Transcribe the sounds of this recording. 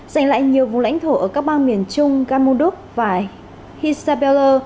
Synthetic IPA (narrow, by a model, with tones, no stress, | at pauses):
za˨˩jŋ̟la̰ː˧˨jɲi˨˩əwvʊ̰˨ŋ͡mla̰˧˥jŋ̟t̪ʰo˧˩ʔəː˧˩kaː˦˥k̚ɓaː˧nmi˨˩ənt͡ɕʊ˧ŋ͡mɣaː˧nmo˧ɗu˦˥ək̚vaː˨˩ | hi˧saː˧ɓɛ˧ləː˧